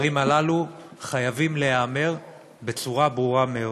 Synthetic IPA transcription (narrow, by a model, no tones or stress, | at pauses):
ʁimalaluχajavimle̞ame̞ʁ | be̞t͡suʁabʁuʁameo